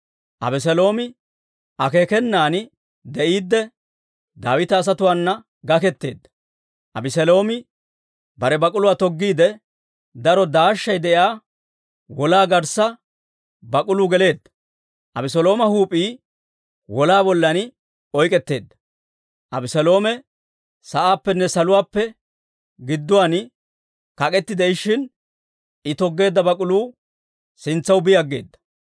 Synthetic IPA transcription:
ʔɐ̰bɪs̬ɛlo̞ːmɪ | ʔɐkeːkɛnːaːn | d̪ɛʔiːd̪ːɛ | d̪aːwɪt̪ɐːs̬ɐt̪ʊwaːnːɐ | ɡɐkɛt̪ːe̞̰ːd̪ːɐ̥ | ʔɐbɪsɛlo̞ːmɪ | bɐɾɛbɐkʼʊlʊwaːt̪ɔɡːiːd̪ɛ | d̪ɐɾɔd̪aːʃːɐjd̪ɛʔjaː | wɔlaːɡɐɾsɐ | bɐkʼʊlʊɡɛle̞ːd̪ːɐ̥ | ʔɐbɪsɔlo̞ːmɐhuːpʼiː | wɔlaːbɔlːɐn | ɔjkʼɛt̪ːe̞̰ːd̪ːɐ̥ | ʔɐbɪsɔlo̞ːmɛ | sɐʔaːpːɛnːɛsɐlʊwaːpːɛ | ɡɪd̪ːʊwaːn | kɐkʼɛt̪ːɪd̪ɛɪʃɪn | ɪt̪ɔɡːe̞ːd̪ːɐbɐkʼʊluː | sɪnt͡sːɐwbɪjɐɡːe̞̰ːd̪ːɐ̥

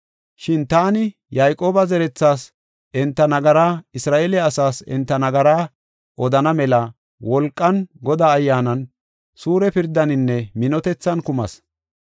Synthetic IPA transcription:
ʃɪnt̪aːnɪ | jajkʼo̞ːbɐzɛɾɛt͡sːaːs | ʔɛnt̪ːɐnɐɡɐɾaːɪsɾaːʔeːlɛɐsaːsɛ̰nt̪ːɐnɐɡɐɾaː | ʔɔd̪ɐnɐmɛlɐ | wɔlkʼːɐnɡɔd̪aːjːaːnɐn | suːɾɛpɪɾd̪ːɐnɪnːɛmɪnɔt̪ɛt͡sːɐnkʊmɐ̰s

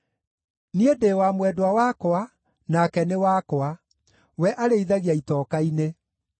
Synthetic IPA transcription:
niedeːwamwɛdwawakɔa | nakɛnewakɔa | wɛʔaɾeiðaɣiaitɔːkaine

